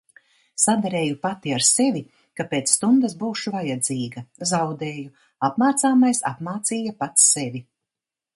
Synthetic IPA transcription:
sad̪aɾeːjupat̪iaɾsevʲi | kapeːt̪ssːt̪und̪asbuːʃuvajad̪ziːɡɐzawd̪eːju | apmaːt̪saːmajsa̰pmaːt̪siːjapat̪ssevʲi

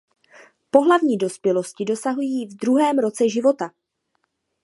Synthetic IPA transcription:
po̞ɦlavɲiːdo̞spjɛlo̞scɪdo̞saɦujiːvd̪ɾuɦɛːmɾo̞t͡sɛʒɪvo̞t̪a

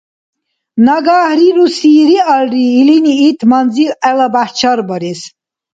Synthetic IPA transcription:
naɡaːhɾiɾusiːɾialɾiːliniːt̪ʰmanzilɛlabaht͡ʃʰaɾbɔɾis

